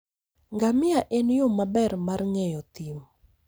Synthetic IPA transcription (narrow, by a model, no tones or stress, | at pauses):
ŋɡamɪaʔɛnjʊmabɛrmarŋɛjɔt̪im